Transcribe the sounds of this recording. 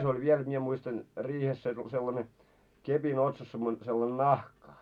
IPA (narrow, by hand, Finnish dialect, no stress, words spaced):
se olʲ ʋiel jot mie muistɑn riːhes se selːɑne kepin otsɑs semːo selːɑn nɑhkɑ